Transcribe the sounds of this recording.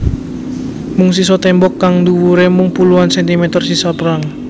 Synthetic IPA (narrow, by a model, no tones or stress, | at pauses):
mʊŋsisɔt̪ɛmbɔkːaŋd̪uwuɾemʊŋpuluansɛnt̪imet̪ɔrsisapəɾaŋ